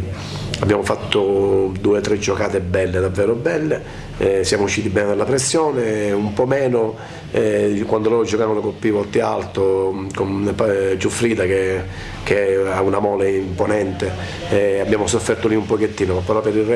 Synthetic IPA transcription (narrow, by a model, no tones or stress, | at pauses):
abːjaːmofat̪ːod̪uːet̪ɾed͡ʒːokaːt̪ebɛlːed̪avːɛːɾobɛlːe | sjaːmouʃːiːt̪ibɛːned̪elːapɾesːjɔːneumpɔmɛːno | ɛkwand̪olɔd͡ʒokaːnolokolpivɔt̪ialt̪okonpat͡ʃːufɾiːd̪ake | k̟eaunamɔːleimponɛnt̪e | abːjaːmosofːɛrt̪oliumpok̟et̪ːiːnomapːeɾɔpːeɾirɛ